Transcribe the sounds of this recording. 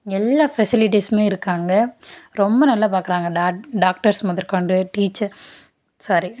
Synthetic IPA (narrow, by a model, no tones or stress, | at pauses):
ɛlːaːfɛsɪlɪʈismeːɪɾɯkːaːŋɡɐɾɔmbɐnɐlːaːp̬aːkɪɾaːŋɡɐɖaːɖaːk̚ʈɐɾsmɐðɪɾkɐɳɖɯʈiːt͡ʃːɐɾ | saːɾi